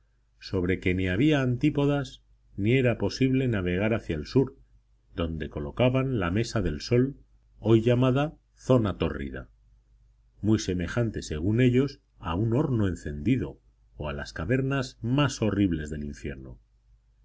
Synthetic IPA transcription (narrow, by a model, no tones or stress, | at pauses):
so̞β̞ɾe̞ke̞niaβ̞iaːnt̪ipo̞ðaz | nie̞ɾapo̞siβle̞naβe̞ɣ̞aɾaθjaelsuɾ | ðo̞nd̪e̞ko̞lo̞kaβanlame̞saðe̞lso̞l | o̞jʝamaða | θo̞nat̪o̞̰rḭða̰ | mujse̞me̞xant̪e̞se̞ɣ̞une̞ʎo̞s | auno̞ɾnoe̞n̟θe̞nd̪iðo̞̰ː | ala̰skaβe̞ɾnazmaso̞riβle̞zðe̞liɱfje̞ɾno̰